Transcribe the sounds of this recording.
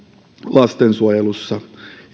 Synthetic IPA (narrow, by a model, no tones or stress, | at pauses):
lɑst̪ensuojelusːɑ